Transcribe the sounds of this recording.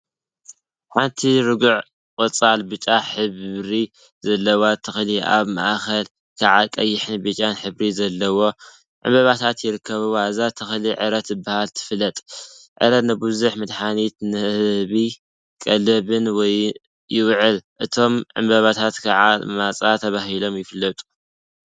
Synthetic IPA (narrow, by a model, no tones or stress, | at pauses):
ħant̪ʰiɾɨɡuʕ | kʼɐt͡sʼalbɨt͡ʃʼaħɨβɾi | zɐlːɐwat̪ʰɨxliʔa̰βma̰ʔxɐl | kʰaʕakʼɐjːɪħɨnbɨt͡ʃʼanħɨβɾizɐlːɐwo̞ | ʕɨ̰mbɐβat̪ʰat̪jɪɾɨkːɐβɨwaɨzat̪ʰɨxliʕɨɾɐt̪ɨbːahalt̪ʰɨ̥flːɐt̪ʼʕɨ̰ɾɐt̪nɨbuzuħmɨd̪ħanit̪nɨhɨβi | kʼɐlɐβɨnwɔj | jɪwʕɨlʔɨt̪ʰo̞mʕɨ̰mbɐβat̪ʰat̪kʰaʕamat͡sʼat̪ʰɐβaɦilo̞mjɪfɨlːɐt̪ʼu̥